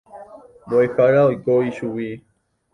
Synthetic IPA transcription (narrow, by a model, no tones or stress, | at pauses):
boexaɾaojkoiʃuwi